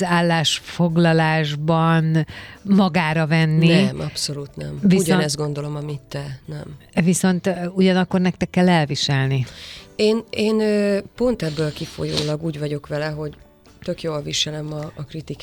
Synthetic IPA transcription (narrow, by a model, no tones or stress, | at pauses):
zaːlːaːʃfo̞ɡlɒlaːʒbɒnmɒɡaːɾɒvɛnːimɒpso̞luːt̪nɛ̰mviusɟonɛzd̪ɡo̞nd̪o̞lo̞mɒmit̪ːɛnɛmviso̞nt̪uɟɒnɒkːo̞rnɛk̚t̪ɛkːɛlːɛlviʃɛlnieːneːnøːpo̞nt̪ɛbːøːlkifo̞̰jo̰ːlɒɡuːɟvɒɟo̞kʋɛlɛɦo̞ɟ | t̪ø̞kjoːlviʃɛlɛmɒːkrit̪ik